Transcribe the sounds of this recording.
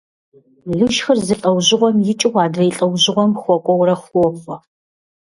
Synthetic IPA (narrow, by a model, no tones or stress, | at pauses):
ɮuʃxɨrzɨɬʼɐwʑɪʁʷɔmjɪt͡ʃʼɪʁʷɑːdɐjɪɬʼɐwʑɪʁʷɔmxʷɔkʷʼɔwɾɐxʷɔχʷɔ